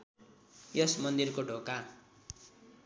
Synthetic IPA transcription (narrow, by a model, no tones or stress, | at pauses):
jʌsmʌnd̪irkoɖʱoka